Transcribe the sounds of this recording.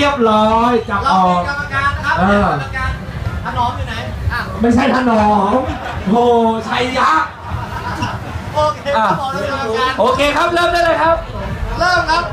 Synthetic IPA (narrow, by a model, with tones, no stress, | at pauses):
i˥˩əp̚ɾɔː˦˥jt͡ɕa˨˩mʔɔː˨˩k̚ːʔɤː˧˩˧a˧nʰː˧˥˧ | u˧˩n˧˥˧ma˥˩jt͡ɕʰa˥˩jt̪ʰaː˧˥˩nɔː˨˦ŋhoː˧˩t͡ɕʰa˦˥˩jja˦˥˩k̚ | ʔaː˨˩˧ʔoː˧kʰeː˧kʰa˦˥p̚lɤː˥˩˨mlɯː˧˥˨ləː˧jkʰa˦˥p̚ləː˥˩mkʰa˦˥